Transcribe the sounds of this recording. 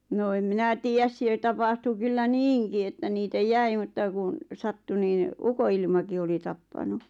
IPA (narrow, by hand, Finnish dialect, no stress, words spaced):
noː em minæ tiːjæs siel tɑpɑhtu kylːæ niːŋki etːæ niːtæ jæi mutːɑ kun̞ sɑtːu niːn̆ ukoilmɑki oli tɑpːɑnu